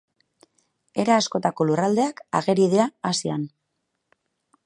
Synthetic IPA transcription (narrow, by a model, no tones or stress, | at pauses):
e̞ɾaːsko̞t̪ako̞lurald̪e̞aka̰ɣe̞ɾið̞eaːsia̰n